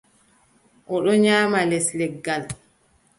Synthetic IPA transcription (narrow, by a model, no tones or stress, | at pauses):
ʔɔɗɔɲaːmalɛslɛɡːal